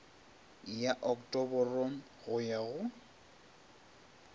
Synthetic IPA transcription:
jaʔɔktʼɔbɔrɔn̩ | ɣʊjaɣʊ

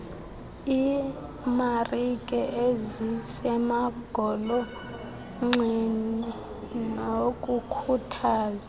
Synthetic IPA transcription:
i | marikʼɛʔezisɛmaɡ̥ʱɔlɔ | ŋ͡ǁinɛ | nokʼukʰutʰaːzḁ

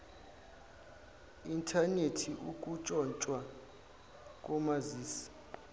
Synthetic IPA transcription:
intʰanetʰiʔuk̬ʼut͡ʃʼɔnt͡ʃʼwa | k̬ʼɔmaziːsi̥

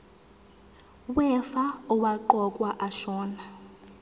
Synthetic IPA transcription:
wɛfauwaǃɔkʼwaʔaʃɔːna

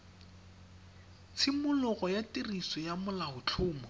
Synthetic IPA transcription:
t͡sʰɪmʊlʊɣɔjatirisɔjamʊlaɦʊt͡ɬʰʊːmɔ

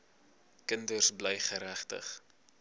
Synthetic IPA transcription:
kəndərsbləjχəɾæχtə̰χ

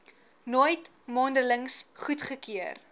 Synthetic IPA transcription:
nojt | mɑːndələŋsχutχəkiər

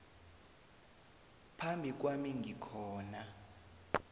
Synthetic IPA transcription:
pʰambʱik̬wamiŋʱikʰɔːna

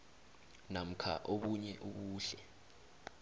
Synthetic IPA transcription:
nam̩kʰa̰ʔoɓuɲɛʔuɓuːɬɛ

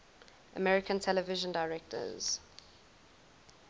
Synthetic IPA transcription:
ʔə̰mɛɹɪkʰə̃ntʰɛləvɪʒə̃ndaɪɹɛk̚tʰə̰z̥

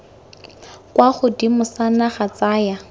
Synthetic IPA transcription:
kwaχʊdimʊsanaχat͡saːja

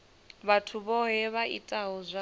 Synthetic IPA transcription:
βatʰuβɔɦɛβaʔḭtʼaɦɔzʷa

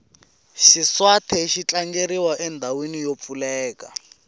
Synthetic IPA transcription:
ʃiswatʰɛʃit͡ɬaŋɡeɾiwaʔɛndʱawenijop̪fulɛːka

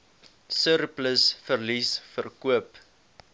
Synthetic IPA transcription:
sərpləsfərlisfərkuəp

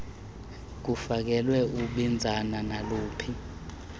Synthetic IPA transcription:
k̬ufak̬ɛlwɛuɓind͡zʱananaloːpʰi

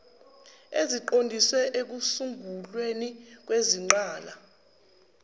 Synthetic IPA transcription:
eziǃondʱiswɛʔek̬usuŋɡʱulwenik̬weziŋ͡ǃaːla

